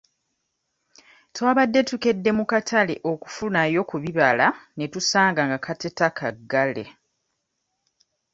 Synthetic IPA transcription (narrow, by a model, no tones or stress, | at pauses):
twaːβadːe̞tuke̞dːe̞mukatʰaleʔo̞ku̥funajo̞kuβiβalane̞tusaːŋɡaŋɡakʰate̞takʰaɡːale̞̰